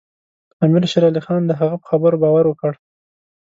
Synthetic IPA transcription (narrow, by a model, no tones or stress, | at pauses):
amɪɾʃɪɾɑlixɑnd̪əɦaɣapə̥xabəɾobɑwaɾwəkəɽ